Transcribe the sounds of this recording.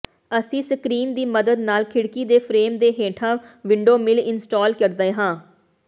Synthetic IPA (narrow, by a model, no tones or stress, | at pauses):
əsĩːsəkɾiːnd̪iːməd̪əd̪naːlkʰɪɽkiːd̪eːpʰɾeːmd̪eːɦeːʈʰãːʋɪɳɖoːmɪlɪnsʈɔːlkəɾd̪eːɦãː